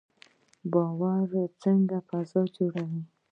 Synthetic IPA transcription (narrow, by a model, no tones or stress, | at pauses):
bɑwaɾt͡səŋɡafazɑd͡ʒoɽawi